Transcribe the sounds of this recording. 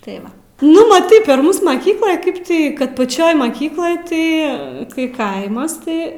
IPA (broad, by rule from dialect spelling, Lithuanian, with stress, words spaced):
tɐɪ ˈʋɐ ˈnʊ mɐˈtɐɪ pʲɛr ˈmuːs mɐˈkʲiːklˠoːj ˈkɐɪp ˈtʲiː kɐt pɐˈt͡ʃʲoːj mɐˈkʲiːklˠoːj ˈtɐɪ kɐɪ ˈkɐɪmɐs ˈtɐɪ